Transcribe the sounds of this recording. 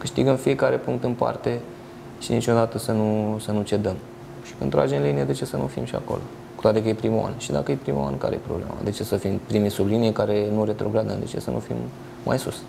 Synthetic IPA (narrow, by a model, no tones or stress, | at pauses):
kɨʃt̪iɡəmfije̞kaɾe̞puŋkt̪ɨnpa̰rt̪e̞ | ʃinit͡ʃo̞d̪at̪əsənusənut͡ʃe̞d̪əm | ʃi̥kɨnt̪ɾa̰d͡ʒenlinijed̪et͡ʃe̞sənṵfimʃia̰ko̞̰lo̞ | kut̪wat̪ekəjepɾima̰nʃid̪akəjepɾima̰wa̰nka̰ɾḛjepɾoble̞̰ma̰d̪e̞t͡ʃe̞səfimpɾimisublinijekaɾe̞nuɾe̞t̪ɾo̞ɡɾad̪ə̰nd̪e̞̰t͡ʃe̞̰sə̰nʔṵfḭmː | a̰jsus